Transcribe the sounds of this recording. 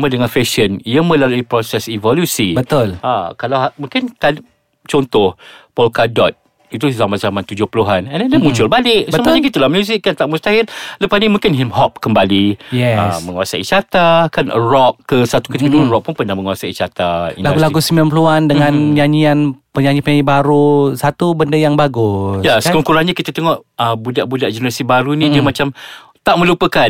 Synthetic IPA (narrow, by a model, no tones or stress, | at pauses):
mədəŋanfɛʃənijəmə̃laluipɾɔsɛsivɔlusibət̪ʊlakalaamũŋkɪnkan | t͡ʃɔnt̪ʊhpɔlkadɔt̪̚ | it̪̬uzamazamant̪ud͡ʒʊhpəluɦanɛndɛndəmũt͡ʃʊlbalɪksəmaɲakit̪əlamjuzɪkːant̪aʔmust̪aɦɪnləpasnimũŋkɪnɦimɦɔp̚kəmbalijɛa̰mə̃ŋasaʔḭt͡ʃat̪akanrɔʔ̚kəsat̪ukət̪ikəduəɾɔʔ̚pʊnpənahməŋuasait͡ʃat̪aḭnlaɡaɡlaɡɡusimilanpəluandəŋãnɲaɲianpəɲaɲipəɲaɲibaɾusat̪ubəndəjaŋbaɡʊsjasəkəŋkuɾaŋɲakit̪at̪əŋɔʔəbudaʔbudaʔd͡ʒənəɾasibaɾunĩd͡ʒəmat͡ʃamt̪aʔmə̃lupəkan